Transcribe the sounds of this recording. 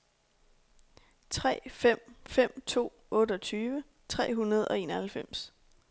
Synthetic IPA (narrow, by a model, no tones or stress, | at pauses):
t͡sʰʁɛ̰ːfem̰fem̰t͡sʰo̝̰ː | ɔ̽ːɾəɒ̽t͡sʰyːʋə | t͡sʰʁɛ̰ːɦunɐð̞̩ˠɒ̽e̝ːnɒhælfem̰s